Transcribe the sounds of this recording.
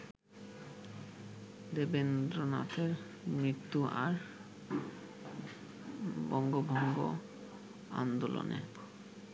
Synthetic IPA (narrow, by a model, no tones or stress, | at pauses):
d̪ebend̪ɾonat̪ʰeɾ | mɾit̪ːuʔaɾ | bɔŋɡobʱɔŋɡo̰ | a̰nd̪olo̰nḛ